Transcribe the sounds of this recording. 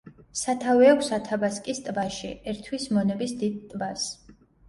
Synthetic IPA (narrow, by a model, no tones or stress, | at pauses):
sat̪ʰavɛakʷʰsat̪ʰabaskʼist̪ʼbaʃḭɛɾt̪ʰwismɔnɛbisd̪id̪̚t̪ʼvas